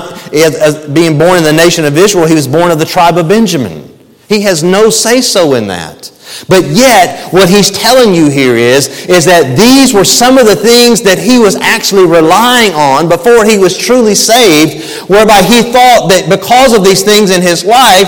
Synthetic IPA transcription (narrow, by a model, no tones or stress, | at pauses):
ɪzbiɪ̃ŋbɔɹnɨ̃nðɨneɪʃɨ̃nʌvɪzɹil̩ˠiwʌzbɔɹnʌvðɨtʰɹ̥aɪbʌvbɛ̃nd͡ʒɨmɨ̰̃n | hiɨznoʊseɪsoʊɪ̃nðɨ̰t̚ | b̥ʌt̚jɛt̚wʌt̚ɦiz̥tʰɛlˠɪ̃ŋjɨɦiɹɪzɪzðɨt̪̚ðizwə˞sʌ̃mʌvðɨθɪ̃ŋzðɨt̚ɦiwʌzæk̚t͡ʃʉl̩ˠiɹɪlaɪɪ̃ŋə̃nbəfɔɹiwʌz̥tʰɹ̥ʉlˠiseɪvd̚ | wɛ˞baɪiθɔt̪̚ðɨt̚b̥ɨkʰʌzʌvðiz̥θɪ̃ŋzɨ̃nɪzlaɪ